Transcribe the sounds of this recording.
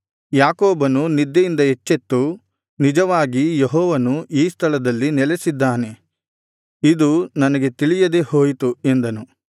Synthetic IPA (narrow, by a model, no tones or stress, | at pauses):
jaːkoːbɐnunid̪ːɐjind̪ɐɦet͡ʃːet̪ːu | nid͡ʒɐʋaːɡijeɦɔːʋɐnuiːst̪ʰɐɭɐd̪ɐlːinɛlesid̪ːaːne̞ | id̪unɐnɐɡe̞t̪iɭijɐd̪e̞ho̞ːjt̪uend̪ɐnu